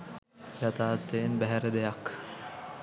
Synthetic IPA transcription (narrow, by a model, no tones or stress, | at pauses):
jɐt̪aːt̪ːeːnbæɦɛɾed̪ejɐk